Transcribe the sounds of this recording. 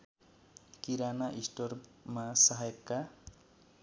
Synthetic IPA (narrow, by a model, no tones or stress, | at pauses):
kiɾanaʔisʈormasʌɦajkːa